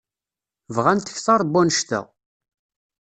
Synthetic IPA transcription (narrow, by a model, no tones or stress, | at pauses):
vʁænt̪ə̥çθɑɾˤbːunəʃt̪æ̰